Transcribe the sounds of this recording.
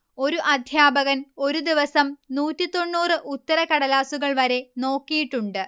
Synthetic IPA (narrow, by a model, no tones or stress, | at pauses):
o̞ɾuʔɐd̪ʱjaːbɐɣɐno̞ɾud̪iʋɐsɐmnuːtːit̪ːo̞ɳːuːrɨʔut̪ːɐɾɐkɐɽɐlaːsuɣɐɭʋɐɾe̞no̞ːkːijiʈːuɳɖɨ